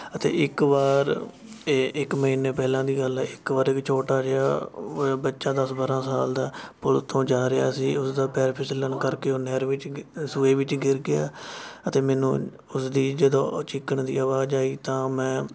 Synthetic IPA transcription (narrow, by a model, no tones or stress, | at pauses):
ət̪ḛːɪkʋaːɾ | ɪkməɦiːneːpɛːlãːd̪iːɡəlɛːɪkʋaːɾɪkt͡ʃʰoːʈaːd͡ʒəa̰ːbətːʃãːd̪əsbaːɾãːsaːld̪aːpʊlt̪ʰõːd͡ʒaːɾea̰ːsiːʊsd̪aːpɛːɾpʰɪsələnkəɾkeːoːnɛːɾʋɪt͡ʃsuːeːʋɪt͡ʃɡɪɾɡɪja̰ːət̪eːmɛːnṵ̃ː | ʊsd̪iːd͡ʒəd̪õːt͡ʃɪkːəɳd̪ḭːaːʋaːd͡ʒaːiːt̪ãːmɛ̃ː